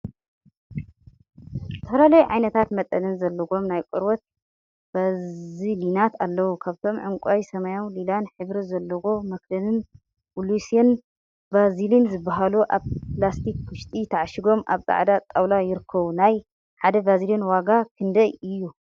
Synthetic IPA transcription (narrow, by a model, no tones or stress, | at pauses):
zɨt̪ʰɐfɐlalɐjuʕajnɐt̪ʰat̪mɐt̪ʼɐnɨnzɐlːɐɡo̞mnajkʼɨɾwot̪̚ | b̥azilinat̪ʰalːɐwukʰaβt̪ʰo̞mʕɨŋkʷʼajsɐmajanlilanħɨβɾizɐlːɐɡomɐkd̪ɐnɨn | wulusiɐn | bazilinzɨbːaɦaluʔa̰βplast̪ʰikwʊʃt̪ʼit̪ʰɐʕaʃɪɡo̞mʔa̰βt͡sʼa̰ʕd̪at̪ʼawlajɪɾɨkʰːɐβunaj | ħad̪ɐbaziljinwaɡakʰɨnd̪ɐjɨjːu